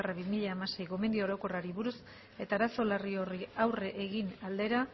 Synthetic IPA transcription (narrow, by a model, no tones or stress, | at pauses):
raβimiʎaːmase̞jɣo̞me̞nd̪io̞ɾo̞ko̞raɾiβuɾus | e̞t̪aːɾaso̞lario̞riawre̞ʔeɣinald̪e̞ɾa